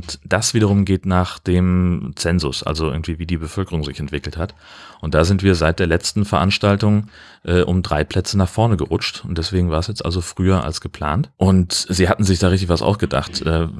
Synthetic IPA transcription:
ʊntd̥asv̥iːɾɐʁ̞ʊmɡeːtnaːχd̥eːmt͡sɛnzʊ̰sʔa̰lzoʔɪɐɡŋ̩tv̥iːviːdiːbəfœlkəʁʊŋzɪçɛntv̥ɪkl̩that | ʔʊnt̚d̥aːzɪntv̥iːɐzaɪt̚d̥eːɐlɛt͡stn̩fɛɐʔanʃtaltʊŋ | ʔɛːʔʊmdʁaɪpʰl̥ɛt͡sənaχfɔɐnəɡəʁʊt͡ʃtʊnt̚d̥ɛsv̥eːɡŋ̩vaːɐɛsjɛt͡stʔa̰lzofʁ̥yːɐʔa̰lsɡ̥əpʰl̥a̰ːntʔʊntz̥iːhatn̩zɪçd̥aːʁɪç̬tɪçv̥asʔa̰ʊsɡ̥əda̰χtʔɛː

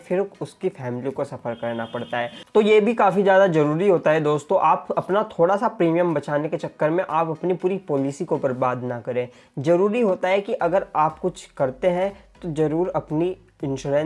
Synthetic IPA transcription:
fɪɾʊskifɛːmlikosɐfəɾkɐɾnapɐɽt̪aɦɛːt̪ojeːbʱikaːfizjaːd̪azɐɾuːɾiɦoːt̪aɦɛd̪oːst̪õʔaːpɐpnat̪ʰoːɽasapɾiːmijə̃mbɐt͡ʃaːneket͡ʃɐkːəɾmẽʔaːpɐpnipuːɾipoːlisikobɐɾbaːd̪nɐkɐɾẽː | zɐɾuːɾiɦoːt̪aɦɛkiʔɐɡəɾaːpkʊt͡ʃʰkɐɾt̪eɦɛ̃t̪ozɐɾuːɾɐpni | ɪ̃nʃuːɾɛ̃

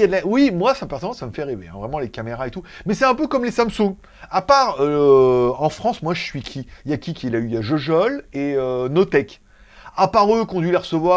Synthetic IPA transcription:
jad̪lawimwasapɛʁsənɑ̃saməfɛʁevḛɛ̰̃vʁɛmɑ̃lekameʁaet̪umɛsɛt̪ɛ̃pøkɔmlesamsũɡ | apaʁø | ɑ̃fχɑ̃smwaʒəsɥikʰʲijakʲikʲilayjaʒoʒɔleønot̪ɛk | apaʁøkɔ̃d̪ɥileʁəsəvwa

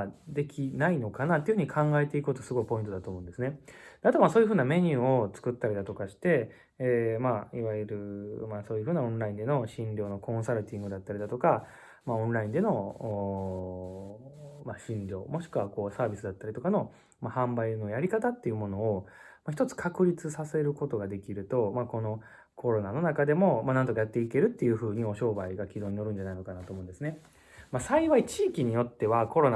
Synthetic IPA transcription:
d̪e̞kʲʰinaino̞kanat̪ːeɨɯɯ̟ɲ̟ikʰãŋɡae̞t̪e̞ikɯkot̪o̞sɨɡo̞ipo̞ĩnt̪oat̪oːmõnd̪esɨne̞d̪̥eat̪o̞maso̞ːjɯ̟ɸɯːname̞ɲ̟ɯ̟ːo̞t͡sɨ̥kɯ̟t̪ːaɾʲid̪at̪o̞kaɕi̥t̪e̞ː | maiβaɾɯ̟maso̞ːjɯ̟ɸɯ̟ːnaõnɾaĩnd̪e̞no̞ɕĩɲɾʲjo̞ːno̞kʰõ̞ɰ̃saɾɯ̟t̪ʲĩŋɡɯ̟d̪at̪ːaɾid̪at̪o̞ka | maõ̞nɾaĩnd̪e̞no̞ | maɕĩnɾʲo̞̰ːmo̞ɕi̥kɯ̟βako̞ːsaːbʲisɨd̪at̪ːaɾʲit̪o̞kano̞ | mahãmbaino̞jaɾʲikat̪at̪ːe̞jɯ̟mo̞no̞ː | maç̬ʲi̥t̪o̞t͡sɨ̥kʰakɯ̟ɾʲit͡sɨsase̞ɾɯ̟ko̞t̪o̞ɡad̪e̞kʲiɾɯ̟t̪o̞mako̞no̞ | kʰo̞ɾo̞nano̞nakad̪e̞mo̞manãnt̪o̞kajat̪ːe̞ike̞ɾɯ̟t̪ːe̞jɯ̟ːɸɯ̟ːɲ̟io̞ɕo̞ːbaiɡakʲid̪o̞ːɲ̟ino̞ɾɯ̟̃ɲ̟d͡ʑanaino̞kanat̪oːmõ̟ndesɨne̞ | masaiβait͡ɕiːkʲiɲ̟ijo̞t̪ːe̞βako̞ɾo̞na

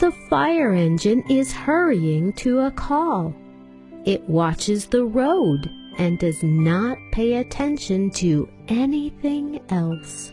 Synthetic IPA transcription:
ðəfaɪə˞ɛ̃nd͡ʒɨ̃nɪz̥hɜ˞iɪ̃ŋtʰɨəkʰɔlˠ | ɪʔ̚wɑt͡ʃɨzðəɹoʊd | ʔɨ̃ndʌznət̚pʰeɪɨtʰɛ̃nʃɨ̃ntʰɨ | ɛniθɪ̃ŋʔɛlˠs

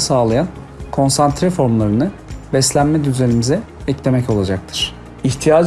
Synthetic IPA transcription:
saːlˠajan | kʰo̞nsant̪ɾɛfo̞ɾmlˠaɾɯnɯbɛslʲænmɛd̪yzenʲimizɛ | ɛclʲe̞mɛco̞lˠad͡ʒak̚t̪ʰɯ̥ɾ̥ | içt̪ʰijaːd͡ʒ

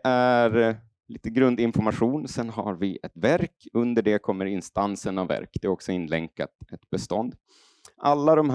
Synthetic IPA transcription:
ʔæɾ | liːt̪əɡɾɵnd̪ɪnfɔɾmaɧuːnsɛnɦaɾvɪʔɛt̪væɾkɵnd̪əɖɛkʰɔmːəɾɪnst̪ansənavvːæ̰ɾkd̪ɛɾɔksɔɪnːlɛŋka̰t̪ɛt̪bɛst̪ɔnd̪ | ʔalːad̪ɔmh

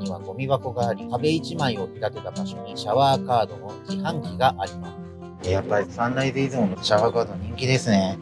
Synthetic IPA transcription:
ɲiβaɡo̞mʲiβako̞ɡaːɾʲihabe̞it͡ɕimaio̞it̪at̪e̞t̪abaɕo̞ɲ̟iɕaβaːkaːd̪o̞ʔõɲkihãŋkʲiɡaʔaɾʲimasɨ | ejapːaɾʲisãnːaid̪e̞izɨmonoɕaβaːkaːd̪oɲ̟ĩŋkʲid̪e̞sɨne̞

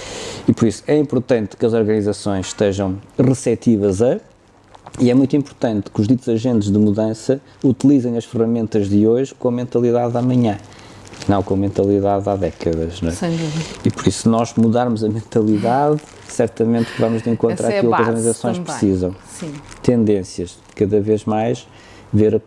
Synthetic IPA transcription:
ipɔɾisu̥ɛĩmpuɾt̪ɐ̃nt̪kɐzɔɾɣɐnizɐsõj̃ʃt̪eʒɐ̃w̃ʁɨsɛt̪ivɐzɐ | iɛmũj̃t̪wĩmpuɾt̪ɐ̃nt̪kuʒðit̪uzɐʒẽnt̪ʒðɨmuðɐ̃sɐ | ut̪ilˠizɐ̃j̃ɐʃfɨʁɐmẽnt̪ɐʒðɨoʒkõɐmẽnt̪ɐlˠiðaðamɐɲɐ̃ | nɐ̃w̃kõɐmẽnt̪ɐlˠiðaðaðɛkɐðɐʃnɛsiipɔɾisnɔʒmuðaɾmuzɐmẽnt̪ɐlˠiðað | sɛɾt̪ɐmẽnt̪kvɐmuʒðẽŋkõntt̪ɾaɾɐɐkilˠɐzɔɾɣɐnizɐsõj̃ʃpɾsizɐ̃w̃sĩt̪ẽnd̪ẽsjɐʃ | kɐðɐveʒmajʃ | veɾɐ

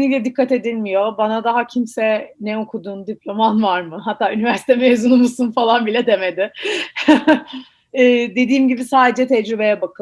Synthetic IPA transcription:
nibilʲɛd̪ikʰːat̪e̞d̪ilʲmijo̞banad̪aɦacʰimsɛnɛokʰud̪uːnd̪iplʲomanvaɾmɯɦat̪ʰːaːynivæɾsi̥t̪ʰɛmeːzunumusunfalˠanbilʲɛd̪e̞me̞d̪ɪ | d̪e̞d̪iːmɟibisaːd̪ed͡ʒɛt̪ʰɛd͡ʒɾybe̞jɛbakʰɯ

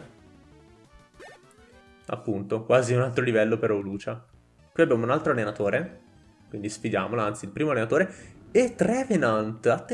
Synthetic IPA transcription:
a̰pːunt̪okwaːziunalt̪ɾolivɛlːopeɾoluːt͡ʃa | kwiabːjaːmounalt̪ɾoalːenat̪oːɾe | kwind̪isfid̪jaːmolaant̪silpɾiːmoalːenat̪oːɾeet̪ːɾɛvenant̪at̪ː

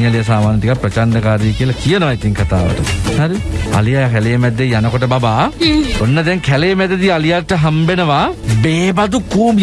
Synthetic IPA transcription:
alijɐs̬aːmaːnɐt̪ikapɾɐt͡ʃand̪ɐkaːɾiekijəlakijənəʋait̪iŋkʰat̪a̰ːʋə̰ʈəhaɾia̰lijakɛlejːmɛd̪ːejanəkoʈəbabaːonːəd̪ɛŋkʰɛlejmɛd̪ed̪iɐlijaʈəɦambenəʋabeːbad̪ukuːm

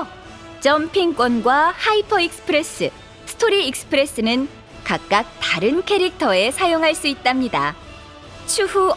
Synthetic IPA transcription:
t͡ɕʌmpʰiŋk͈wʌnɡwahaipʰʌik̚sɯ̥pʰɯɾe̞s͈ʰɯ | sʰɯ̥tʰoɾiːk̚sɯ̥pʰɯɾe̞s͈ɯnɯn | kak̚k͈ak̚taɾɯnkʰeɾik̚tʰʌe̞sʰajoŋɦaɭs͈uit̚t͈amɲida | t͡ɕʰuhu

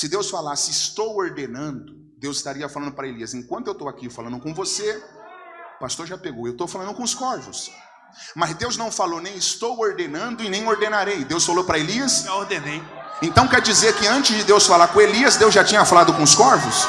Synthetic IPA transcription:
sɪd̪ewsfalasɪɪst̪owoɾd̪enɐ̃nd̪ʊ | d̪ewzɪst̪aɾiɐfalɐ̃nd̪ʊpɾɐeliɐsẽŋkwɐ̃nt̪ʊewt̪owakifalɐ̃nd̪ʊkõvose | past̪oɾʒapeɡowewt̪owfalɐ̃ndʊkõʊskɔɾvʊs | mɐzd̪ewznɐ̃w̃falonẽj̃ɪst̪owoɾd̪enɐ̃nd̪ʊɪnẽj̃oɾd̪enaɾejd̪ewsfalowpɾɐeliɐsʒaoɾd̪ẽnej | ẽnt̪ɐ̃w̃kɛɾd͡ʒizeɾkɪɐ̃nt͡ʃɪzd͡ʒɪd̪ewsfalaɾkõeliɐzd̪ewzʒat͡ʃĩɲɐfalad̪ʊkõʊskɔɾvʊs

